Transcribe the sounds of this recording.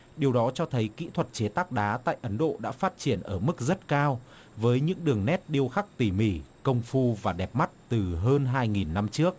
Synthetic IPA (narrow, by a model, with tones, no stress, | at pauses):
ɗi˨˩əwɗɔ˨˦t͡ɕɔ˧t̪ʰə˨˦jkḭ˧˥t̪ʰwə˨˩t̚t͡ɕe˨˦t̪aː˦˥k̚ɗaː˨˦t̪a̰ː˧˨jʔə˨˦nɗo̰˧˨ɗa̰ː˧˥faː˦˥t̚t͡ɕi˧˩ənʔəː˧˩mɨ˦˥k̚zə˦˥t̚kaː˧w | vəː˨˦jɲɨ̰˧˥ŋɗɨ˨˩əŋnɛ˦˥t̚ɗi˧əwxa˦˥k̚t̪i˧˩mi˧˩kə˧wŋ͡mfu˧vaː˨˩ɗɛ˨˩p̚ma˦˥t̚t̪ɨ˨˩ɦəː˧nɦaː˧jŋi˨˩nːa˧mt͡ɕɨ˦˥ək̚